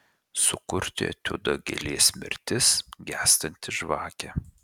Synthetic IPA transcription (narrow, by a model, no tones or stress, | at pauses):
sʊkʊɾʲt̪ʲɪ̰ɐ̰t̪ʲʊd̪ɐɡʲɛ̰lʲiːsʲmʲɪ̰ɾʲt̪ʲɪsɡʲæːst̪ɐnʲt̪ʲɪʒʋɑːkʲɛ